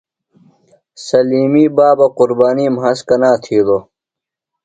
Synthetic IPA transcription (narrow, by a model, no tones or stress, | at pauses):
sɐliːmiːbaːbɐquɾbaːniːmɦɐskɐnaːt̪ʰiːd̪oː